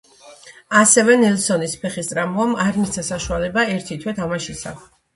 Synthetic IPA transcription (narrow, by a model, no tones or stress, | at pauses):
asɛvɛnɛlˠsɔnispʰɛχist̪ʼɾamuamaɾmit̪sʰasaʃualɛbaɛɾt̪ʰit̪ʰwɛt̪ʰamaʃisa̰